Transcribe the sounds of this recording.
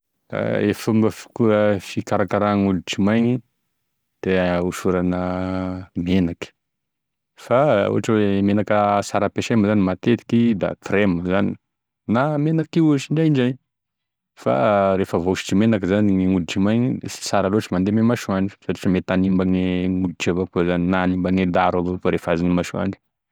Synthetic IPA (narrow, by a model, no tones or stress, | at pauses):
a̰efumbəfu̥kuəfikaɾakaɾaŋult͡ʃimajɲi | d̪̥euʃuɾanə | menakə̥ | faṵɦaʈ͡ʂəwemenakəsaɾəpeʃeməzanimat̪et̪i̥kid̪a̰t̪ɾeməzani̥ | namenakiuaʃiɳɖ͡ʐajiɳd͡ʒaj | fa̰ɾefəvoʃi̥ʈ͡ʂimenakəzaniŋeŋud̪iʈ͡ʂimajɲisi̥saɾaloaʈ͡ʂəmand̪ememaʃuaɳɖ͡ʐi̥satiʈ͡ʂəmet̪animbaŋeŋud̪iʈ͡ʂevakuzaninanimbaŋed̪aɾalofaɾefazinimaʃua̰ɳɖ͡ʐi̥